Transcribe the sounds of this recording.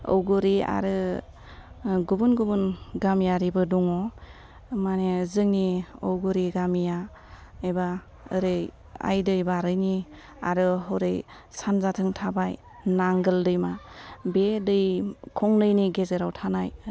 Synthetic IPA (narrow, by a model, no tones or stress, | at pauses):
o̰wɡuɾia̰ɾɯ | ɡubunɡubunɡamjaɾibɯduŋɔ | manezɯŋniowɡɯɾiɡamija | eba | ɯɾɯj | a̰jdɯjbaɾɯjni | a̰ɾɯɦoɾɯj | sanzatʰɯŋtʰabaj | naŋɡɯldɯjmabedɯjkʰɔŋnɯjniɡezeɾawtʰanaj